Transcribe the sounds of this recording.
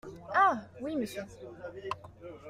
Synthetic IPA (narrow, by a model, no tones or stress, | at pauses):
awiməsjø